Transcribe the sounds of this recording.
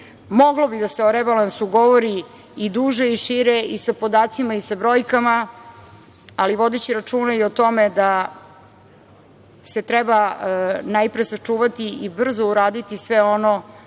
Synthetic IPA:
mo̞ɡlobid̪aseoɾɛbalansuɡo̞ʋoɾi | id̪uːʒeiʃiɾeisapo̞d̪aːt̪simaisabɾo̞ːjkama | aliʋo̞d̪et͡ɕiɾat͡ʃuːnaiot̪o̞med̪a | se̞t̪ɾɛbanajpɾesat͡ʂuːʋat̪iibr̩zouɾaːd̪it̪isʋeo̞no̞

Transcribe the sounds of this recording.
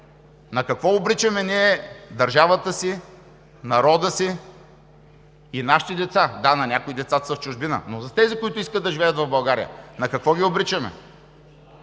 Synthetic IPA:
nɐkɐkvɔobɾit͡ʃɐmɛnʲiɛd̪ɐɾʒavət̪əsi | nɐɾɔd̪əsi | inaʃi̥t̪id̪ɛt̪sad̪anɐnʲakʊid̪ɛt̪sat̪səft͡ʃʊʒbinə̰nozɐt̪ɛzikʊit̪ʊiskəd̪ɐʒivɛət̪vɐvbɐlˠɡaɾḭjə̰nɐkɐkvɔɡʲiobɾit͡ʃɐmɛ̰

